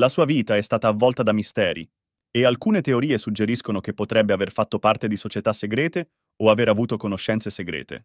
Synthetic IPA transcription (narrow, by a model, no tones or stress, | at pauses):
lasuːaviːt̪aɛst̪aːt̪aːvːɔlt̪ad̪amist̪ɛːɾḭ | ealkuːnet̪eoɾiːesud͡ʒːeɾiskonok̟epːot̪ɾɛbːeaverfat̪ːopart̪ed̪isot͡ʃet̪asːeɡɾɛːt̪e | oaveɾavuːt̪okonoʃːɛnt̪seseɡɾɛ̰ːt̪ḛ